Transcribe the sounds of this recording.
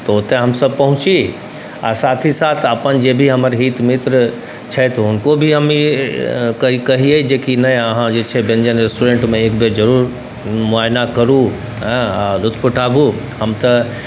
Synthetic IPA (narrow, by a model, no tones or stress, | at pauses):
t̪ɐʊt̪eɦɐmsɐb̚pɐɦʊ̃t͡ʃi | a̰saːt̪ʰisaːt̪ʰapənd͡ʒeːbʱiɦɐməɾɦiːt̪mɪt̪ɾ | t͡ʃʰɐt̪ʰɦʊnkobʱiɦɐmi | kɐikɐɦieid͡ʑeːkinɐɐɦãd͡ʒeːt͡ʃʰebẽnd͡ʑənɾesʈuɾẽɳʈmẽeːkbʱezɐɾuːɾ | mʊaːjnakɐɾũ | ɦɛ̃lʊt̪ʰpʊʈʰaːbʱũ | ɦɐmt̪ɐ